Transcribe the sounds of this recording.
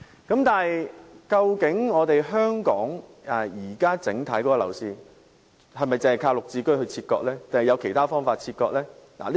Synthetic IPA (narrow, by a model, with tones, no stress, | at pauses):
kɐ˨˥mt̪aː˨˩hɐ˨jkɐ˧wkɪ˨˥ŋŋɔː˨˧t̪e˨jɦœː˥ŋkɔː˨˥ŋɐ˨˩jiː˨˩kaː˥t͡sɪ˨˥ŋt̪ʰɐ˨˥jkɔ˨˥kɔː˧˨lɐ̰˨˩wsiː˧ | hɐ˨jmɐ˨jt͡sɪ˨ŋhɐ˨˩kʰaː˧wlʊ˨k̚t͡siː˧kɵ˥ɥɦɵ˧ɥt͡sʰiː˧t̚kɔ̰ː˧k̚lɛː˥t͡se˨ŋhɐ˨jɐ˨˧wkʰe˨˩jt̪aː˥fɔː˥ŋfaː˧t̚t͡sʰiː˧t̚kɔː˧k̚lɛː˥la̰ː˨˩li˥